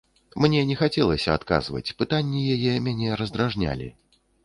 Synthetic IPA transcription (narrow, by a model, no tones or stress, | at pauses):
mnʲɛnʲɛxat͡sʲɛlˠɐsʲɐat̪ka̰zvɐ̰t͡sʲpɨt̪anʲːijajɛmʲanʲɛɾɐzd̪ɾaʐnʲa̰lʲḭ